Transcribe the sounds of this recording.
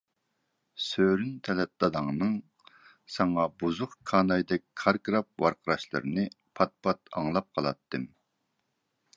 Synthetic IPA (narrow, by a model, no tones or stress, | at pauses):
søɾynt̪ʰɛlɛt̪̚lˠɑd̪ɑŋnɨŋ | sɑŋɑbuzʊχkʰɑːnɑjd̪ɛkʲkʰɑɾkɾɑp̚wɑɾqʰəɾɑʃlˠɨ̰ɾɨnɨ | pʰɑt̪̚pʰɑt̪ɑ̰ŋlˠɑp̚qʰɑlˠɑ̰t̪ʰːɨm